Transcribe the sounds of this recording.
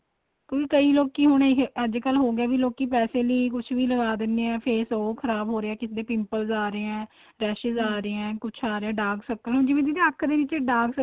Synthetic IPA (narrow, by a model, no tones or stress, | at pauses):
kjõːkikəiːloːkiːɦʊɳeɦəd͡ʒkəlɦoːɡɛːʋiːloːkiːpɛːseːləiːkʊt͡ʃʰʋiːləɡaːd̪ɪnd̪eːɛ̃ːpʰeːsoːkʰəɾaːbɦoːɾeːɛːkɪsd̪eːpɪmpəlzaːɾeːɛ̃ː | ɾɛːʃəzaːɾeːɛ̃ːkʊt͡ʃʰaːɾeɛ̃ːɖaːɡsəkːəlɦʊɳd͡ʒɪʋẽːt̪id̪eːəkʰd̪eːʋɪt͡ʃɖaːɡsə